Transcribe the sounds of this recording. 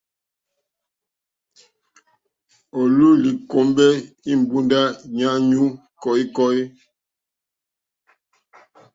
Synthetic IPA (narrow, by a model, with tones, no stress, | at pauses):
ɔ˨lu˦li˨ko˨˦mbɛ˦ | i˦m̩˨bu˦nda˦ɲa˦ɲu˦ | kɔ˨i˦kɔ˦i˦